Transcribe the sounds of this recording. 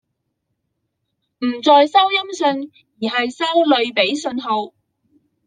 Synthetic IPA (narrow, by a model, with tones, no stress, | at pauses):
m̩˨˩t͡sɔː˨jsɐ˥wjɐ˥msɵ˧n | jiː˨˩ɦɐ˨jsɐ˥wlɵ˨˧ɥpe˨˥jsɵ˧nɦo˨˧w